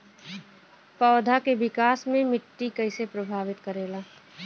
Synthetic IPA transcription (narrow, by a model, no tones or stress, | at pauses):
pɔːd̪ʱakebɪkaːsmẽmɪʈːikəɪsepɾəbʱaːʋɪt̪kəɾeːlaː